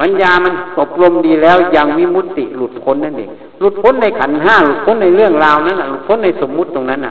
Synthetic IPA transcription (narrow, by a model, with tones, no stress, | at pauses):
ma˧˥˨njaː˧ma˧˨nʔo˧˩p̚lo˧mdiː˧lɛː˦˧˥wjaː˧ŋmiː˧˥˨mu˧˥t̪ːi˧˩lu˧˩t̪̚kʰo˧˥˨nːa˧˩nʔḛː˨˩ŋ | lu˧˩t̪̚kʰo˧˥˨nːa˧˩jkʰa˨˦nɦaː˧˥˩lu˧˩t̪̚kʰo˧˥˨nːa˧˩jlɯ˥˩əŋlaː˧wna˧˥˨nːʔa˨˩lu˧˩t̪̚kʰo˧˥˨nːa˧˩jso˨˦mːu˧˥t̪̚ːo˧ŋna˦˧˥nːʔa̰˧